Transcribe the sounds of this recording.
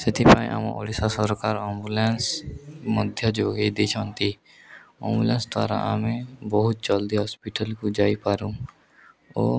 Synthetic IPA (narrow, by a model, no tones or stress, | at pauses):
sɪt̪ʰipaːḭ̃ʔa̰mã̰ʔo̰ːɽisasɔɾkaːɾɛ̃ːmbuleːnsməd̪ʱjəd͡ʒoːɡid̪et͡ʃʰãːnt̪i | ɛ̰̃ːmbulẽːnsd̪ʋa̰ːɾa̰ʔa̰ːmẽbəɦʊt̪̚t͡ʃəld̪iɦɔːspiʈəlkud͡ʒaːipaːɾũ | o̰ː